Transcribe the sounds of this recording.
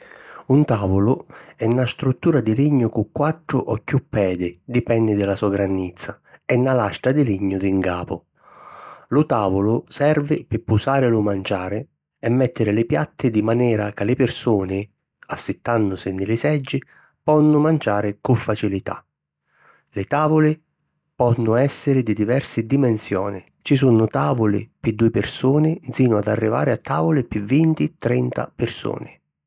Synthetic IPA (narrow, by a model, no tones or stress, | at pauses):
unt̪aːvʊlʊɛnːast̪ɾut̪ːuːɾad̪iliɲːʊkukːwaʈ̪ːɾʊʔɔkːjupːɛːd̪ɪd̪ipɛnːɪd̪ɪlasuːaɡɾanːit̪sːa | ɛnːalast̪ɾad̪ɪliɲːʊd̪iŋɡaːpʊ̰ | lʊt̪aːvʊlʊsɛrvɪpɪpːusaːɾɪlʊmant͡ʃaːɾɪ | ɛmːɛt̪ːɪɾɪlɪpjat̪ːɪd̪imanɛːɾakalɪpɪrsuːnɪ | asːɪt̪ːanːʊsɪnːɪlɪsɛd͡ʒːɪ | pɔnːʊmand͡ʒaːɾɪkʊfːat͡ʃilit̪a̰ | lɪt̪aːvʊlɪ | pɔnːʊɛsːɪɾɪd̪id̪ivɛrsɪd̪imɛnsjɔːnɪ | t͡ʃis̬unʊt̪aːvʊlɪ̰pɪd̪ːuɪpɪrsuːnɪd̪ziːnʊad̪a̰rːiva̰ːɾɪat̪ːaːvʊlɪpɪvint̪it̪ɾɛnt̪a̰pɪrsṵːnɪ